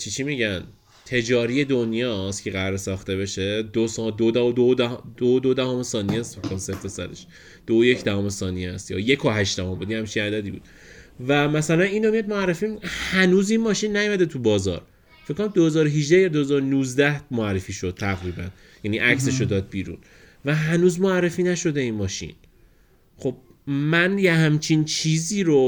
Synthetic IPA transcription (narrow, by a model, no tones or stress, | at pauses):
t͡ʃʰit͡ʃʰimiɟæn | t̪ʰe̞d͡ʒɒːɾije̞d̪onjɒːst̪cʰeɣæɾɾesɒːxt̪e̞be̞ʃe̞d̪osd̪od̪æod̪od̪æd̪od̪od̪æhomesɒːnist̪fekʰːomseɾt̪ʰesæ̰d̪ḛʃ | d̪̥oojecd̪æhɒːmesɒːnijeæst̪jɒ̰ːjekʰoɦæʃd̪æhombud̪inhæmt͡ʃʰinæd̪æd̪iːbṵːd̪̥ | væmæsælæniːnomijɒd̪moærːefimhænuːzinmɒːʃinːæjomæd̪et̪ʰubɒːzɒ̰ɾ | fekːonæmd̪ohe̞zɒːɾoɦiʒd̪æjɒːd̪ohezɒːɾonuːzd̪æhmoærːefiːʃo̞d̪̥̚t̪ʰæɣɾiːbæn | jæniʔæcse̞ʃod̪ɒːd̪̚biːɾṵn | væɦænuːzmoærːefiːnæʃo̞d̪e̞inmɒːʃḭn | xob̥̚ | mænjehæmt͡ʃʰint͡ʃʰiːziːɾo